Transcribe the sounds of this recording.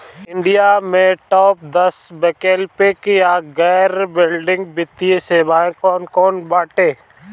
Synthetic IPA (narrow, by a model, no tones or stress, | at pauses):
ɪ̃ɳɖijamẽʈɔːp̚d̪ɐsbɛkeːlpekijaɡɛːɾbɪlɖɪ̃ŋɡbɪt̪ːieseːbʱaːẽkɔːnkɔːnbaːʈẽː